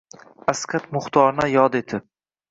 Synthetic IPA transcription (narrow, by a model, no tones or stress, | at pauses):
askʲʰat̪mʊχt̪ʰɒɾnajɒd̪et̪ʰɪp̚